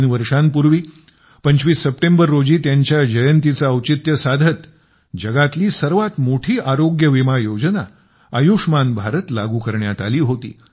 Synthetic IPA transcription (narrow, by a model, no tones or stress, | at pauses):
nʋəɾʂãnpuɾʋiː | pəɲt͡ɕʋiːsːəp̚ʈembəɾːod͡ʑiːt̪jaɲt͡ɕjad͡ʑəjənt̪it͡saəwt͡ɕit̪jəsad̪ʱət̪ | d͡ʑəɡat̪liːsəɾʋat̪moʈʰiːʔaɾoɡjəʋimajod͡ʑəna̰ | əjuʂmanbʱaɾət̪laɡuːkəɾɳjat̪aliːɦot̪ḭː